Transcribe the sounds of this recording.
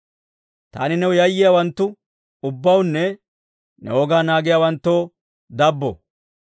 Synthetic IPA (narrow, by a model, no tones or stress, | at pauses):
t̪a̰ːnɪnɛwʊjɐjːɪjawɐnt̪ːʊ | ʊbːɐwʊnːɛ | nɛ̰woːɡaːnaːɡɪjaːwɐnt̪ːoː | d̪ɐbːɔ̰